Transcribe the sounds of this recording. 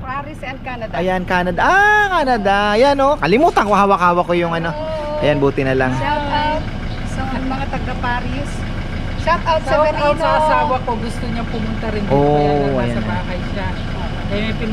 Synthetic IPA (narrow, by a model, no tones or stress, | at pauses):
paɾɪsɐnkanɐd̪ɐjankaːnɐd̪aʔakaːnɐd̪ajanokɐlɪmuːt̪ɐŋkohaːwɐkaːwɐkojʊŋɐno̞ʔɐjanbuːt̪ɪnɐlaŋʃaawt̪̚ | sɐɐnmɐŋat̪ɐɡɐpaːɾɪs | ʃat̪awt̪̚sɐɐsɐɐsaːwɐkoɡʊst̪oɲɐŋpʊmʊnt̪ɐɾɪnoʔɐ̰janɐakɐjʃɐ | ɐmɐjpɪn